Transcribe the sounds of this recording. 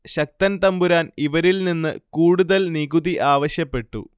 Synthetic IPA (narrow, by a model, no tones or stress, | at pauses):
ɕɐk̚t̪ɐnt̪ɐmbuɾaːniʋɐɾilninːɨ̰kuːɽuðɐlniɡuðiʔaːʋɐɕjɐpːe̞ʈːṵ